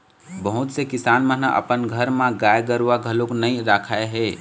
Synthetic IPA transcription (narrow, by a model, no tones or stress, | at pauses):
bəɦut̪sekɪsaːnmãnaʔə̰pənɡʱəɾmãɡaːjɡəɾʋaɡʱəloknəĩɾakʰaeɦe